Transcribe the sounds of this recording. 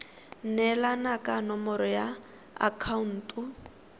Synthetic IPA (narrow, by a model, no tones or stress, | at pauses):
nɛlanakʼanɔmɔɾɔja | a̰kʰaun̩ːtʼu